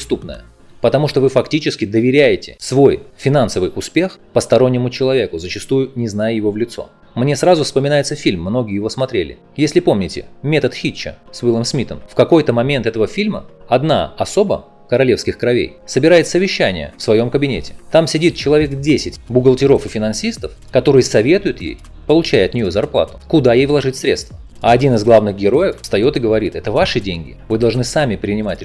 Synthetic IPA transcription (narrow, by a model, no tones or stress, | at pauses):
st̪upnə̰jə̰ | pət̪ɐmuʂt̪ovɨfɐktʲit͡ɕɪskʲɪd̪əvʲɪɾʲæjɪtʲɪsvo̞jfʲɪnansəvɨjʔʊspʲe̞xpəst̪ɐɾo̞nʲːɪmʊt͡ɕɪlˠɐvʲe̞kʊzət͡ɕɪst̪ujʊnʲɪznajjɪvovlʲɪt̪so̞̰ | mnʲe̞sɾazʊfspəmʲɪnajɪt̪səfʲilʲmːno̞ɡʲɪːjɪvo̞smɐt̪ɾʲelʲɪ̰ | jesʲlʲɪpo̞mnʲɪtʲɪ̰mʲe̞t̪ət̪xʲit͡ɕːə̰svɨlˠəmsmʲit̪ə̰mfkɐko̞jt̪əmɐmʲe̞nt̪ɛt̪əvəfʲilʲməɐd̪na̰ɐso̞bə̰ | kəɾɐlʲe̞fskʲɪxkɾɐvʲḛjsəbʲɪɾajɪt̪səvʲɪɕːænʲɪ̰jə̰fsvɐjo̞mkəbʲɪnʲetʲɪ̥t̪amsʲɪdʲit̪̚t͡ɕɪlˠɐvʲe̞kdʲesʲɪtʲbʊɡəlˠtʲɪɾo̞fɨfʲɪnɐnsʲist̪əf | kɐt̪o̞ɾɨjəsɐvʲe̞t̪ʊjʊt̪jḛj | pəlˠʊt͡ɕæjɐt̪nʲɪjozɐrplˠa̰t̪ʊ̥kʊd̪ajejvlˠɐʐɨtʲsɾʲe̞t̪st̪və̥ | ɐɐdʲinɨzɡlˠavnɨɣɡʲɪɾo̞jɪfst̪ɐjo̞t̪ɨɡəvɐɾʲit̪ɛt̪əvaʂɨdʲenʲɡʲɪ̰vɨd̪ɐlˠʐnɨsamʲɪpɾʲɪnʲɪmatʲ